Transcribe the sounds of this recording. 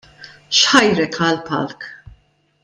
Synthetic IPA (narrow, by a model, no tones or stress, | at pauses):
ʃħɐjɾɛkʰɐlpɐ̰lk